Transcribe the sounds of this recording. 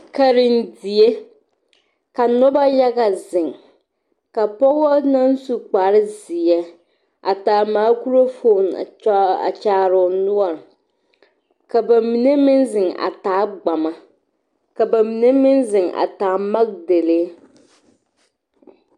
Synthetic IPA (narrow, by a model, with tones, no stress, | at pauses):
ka˨ɾɪ˨n˦di˨e˦ | ka˨nɔ˦ba˦ja˦ɡa˨zɪ˨ŋ | ka˨pɔ˦wa˦na˦n˦su˦k͡paː˨˦ɾɪ˦zɪ˨jɛ˦ | ʔa̰˨taː˨maː˨˦ku˦ɾo˦fo˦˨n˨˦a̰˨t͡ʃaː˦ɾʊ˨nʊ˦ɔ˨ɾ | ka˨ba˨mi˨ne˦mɪ˦nzɪ˨ŋa̰˨taː˨˦ɡ͡ba˨ma˨ | ka˨ba˨mi˨ne˦mɪ˦nzɪ˨ŋa̰˨taː˨˦ma˦ɡ̚de˨le˦